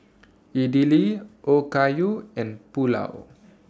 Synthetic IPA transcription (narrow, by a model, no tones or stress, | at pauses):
idiliʔokajuɛ̃npula̰w